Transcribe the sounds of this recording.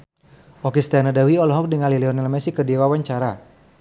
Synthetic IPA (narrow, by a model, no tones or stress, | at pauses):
ʔɔkist̪anadawiɔlɔɦɔk̚dəŋalilɛɔnɛlmɛsikədiwawaɲt͡ʃaɾa